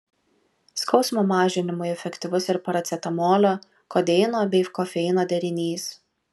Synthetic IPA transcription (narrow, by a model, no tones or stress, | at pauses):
skɒʊsmoːmɑːʒʲɪnʲɪmʊɪɛfʲɛkʲt̪ʲɪʋʊsɪɾpɐɾɐt̪sʲɛt̪ɐmoːlʲoː | koːd̪ʲɛɪnoːbʲɛɪkɔfʲɛɪnoːd̪ʲɛɾʲɪnʲiːs